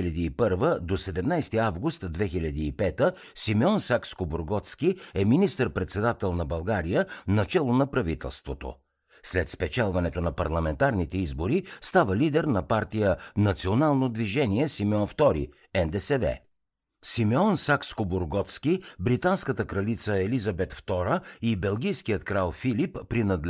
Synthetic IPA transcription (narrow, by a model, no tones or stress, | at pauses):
lʲɐd̪iːpɤɾvəd̪osɛd̪ɛmnajst̪iavɡʊst̪d̪vɛxilʲɐd̪iːpɛt̪ə | simɛɔnsakskoboɾɡɔt̪skʲiɛminist̪əɾpɾɛt̪sɛd̪at̪ɛlˠnɐbɐlˠɡaɾijənɐt͡ʃɛlˠonɐpɾɐvit̪ɛ̰lˠst̪vot̪o̰ | slɛt̪spɛt͡ʃɛlˠvɐnɛt̪onɐpɐɾlˠɐmɛnt̪aɾnit̪ɛizboɾist̪avəlid̪ɛɾnɐpaɾt̪ijənɐt̪sionalˠnod̪viʒɛniɛsimɛɔnft̪ɔɾḭ | ɛnd̪ɛsɛvɛ̰ | simɛɔnsakskoboɾɡɔt̪skibɾit̪anskət̪əkɾɐlit̪səɛlizɐbɛt̪ft̪ɔɾəibɛlˠɡʲijskijət̪kɾalˠfilipːɾinəd̪